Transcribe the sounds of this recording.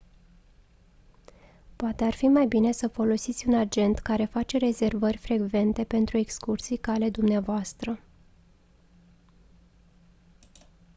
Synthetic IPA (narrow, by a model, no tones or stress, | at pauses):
poat̪e̞arfimajbine̞səfo̞lo̞sit̪sʲunad͡ʒe̞nt̪kaɾe̞fat͡ʃe̞ɾe̞ze̞rvərʲfɾe̞ɡve̞nt̪e̞pe̞nt̪ɾue̞kskursijkale̞d̪umneavoast̪ɾə